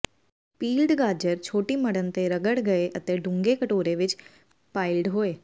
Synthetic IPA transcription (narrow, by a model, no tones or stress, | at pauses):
piːlɖɡaːd͡ʒəɾt͡ʃʰoːʈiməɽənt̪eɾəɡəɽɡɐeʔət̪eɖʊ̃ŋɡekəʈoːɾeʋɪt͡ʃ | paːɪlɖɦoːeː